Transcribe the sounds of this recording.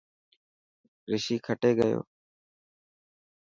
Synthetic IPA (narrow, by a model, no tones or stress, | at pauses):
ɾɪʃiːkʰəʈeːɡəjo̰ː